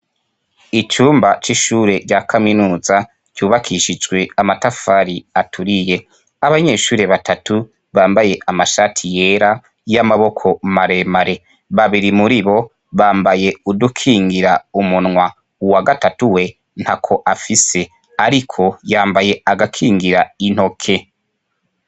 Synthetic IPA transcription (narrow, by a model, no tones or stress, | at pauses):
it͡ʃuːmbat͡ʃiʃuːɾe̞ɾɟakʰaminuːza | ɟ̥uːβakʰiʃid͡ʒɡwe̞amatafaɾiatʰuɾije̞ | aβaɲe̞ːʃuːɾe̞βatʰatu | βaːmbaje̞ʔamaʃatʰije̞ɾa | jamaβo̞kʰo̞maɾe̞maɾe̞ | βaβiɾimuɾiβo̞ | βaːmbaje̞udukʰiːŋɡiɾaumunŋwa | uwaɡatatuwe̞ | n̥hakʰo̞ʔafise̞ | aɾikʰo̞jaːmbaje̞aɡakʰiːŋɡiɾain̥ho̞kʰe̞